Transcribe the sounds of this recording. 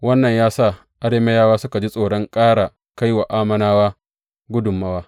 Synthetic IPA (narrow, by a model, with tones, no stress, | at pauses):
wɐ˦nːɐ˨ɲjaː˦saː˦˨ | ʔa˦ɽeː˦mɐ˦jaː˦waː˦sʊ˦ka˨d͡ʒi˦sʼoː˨ɽɔ˦ŋkʼaː˦ɽa˨ | ka˦jwa˨ʔaː˦mɐ˦naː˦waː˦ | ɡʷʊ˦dʊ˨mːa˦waː˦